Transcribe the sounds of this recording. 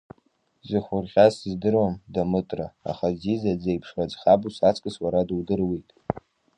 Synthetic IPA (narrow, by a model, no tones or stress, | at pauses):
zɨχʷʊrʁʲasizdɨrwamdamɨtʼraa̰χazizad͡zejpʰʂwad͡zχabusat͡sʼkʼɨswaɾadwdɨrwijtʼ